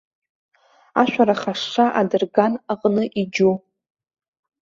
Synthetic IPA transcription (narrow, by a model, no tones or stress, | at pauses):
aʃʷᶣaɾaχaʂʂaʔadɨrɡanaqʼnɨʔid͡ʒu